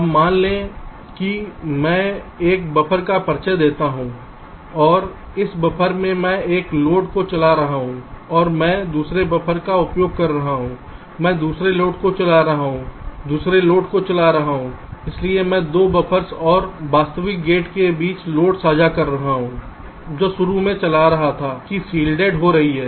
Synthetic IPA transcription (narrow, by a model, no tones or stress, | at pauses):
ɐmːaːnlẽ | kimɛ̃ː | eːk̚bɐpʰəɾkapɐɾt͡ʃəd̪eːt̪aɦũː | ɔːɾ | ɪsbɐpʰəɾmẽmɛ̃eːkloːʈkot͡ʃɐlaɾɐɦaɦũɔːɾmɛ̃ːd̪uːsɾebɐpʰəɾkaʊpjoːɡ̚kɐɾːɐɦaɦũː | mɛ̃ːd̪uːsɾeloːʈkot͡ʃɐlaɾɐɦaɦũd̪uːsɾeloːʈkot͡ʃɐlaɾɐɦaɦũːɪsliemɛ̃ːd̪oːbɐpʰəɾsɔːɾbaːst̪əʋɪk̚ɡeːʈkebiːt͡ʃloːʈsaːd͡ʒakɐɾːɐɦaɦũ | d͡ʒoːʃʊɾumẽt͡ʃɐlaɾɐɦat̪ʰaːkisiːlɖeːɖɦoɾɐɦiɦɛː